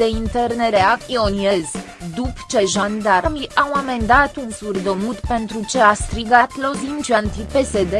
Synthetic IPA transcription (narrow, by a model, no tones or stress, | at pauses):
eint̪erneɾeakioniez | d̪upt͡ʃe̞ʒand̪aɾmiʔawame̞nd̪at̪unsurd̪omut̪pe̞nt̪ɾut͡ʃe̞ast̪ɾiɡat̪lozint͡ʃuant̪ipe̞sed̪e